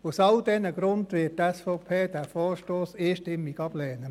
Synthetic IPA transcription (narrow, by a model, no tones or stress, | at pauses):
usɑldɛnəɡ̥ɾʊndʋɪttɛsfoʊpʰeːd̥ɛɾfɔːɾʃtoːsiːʃtɪmːiɡɑb̥lɛːnə